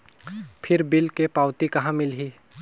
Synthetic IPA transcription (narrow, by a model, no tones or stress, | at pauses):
pʰɪɾbɪlkepaːʊt̪ikɐɦãmɪlɦiː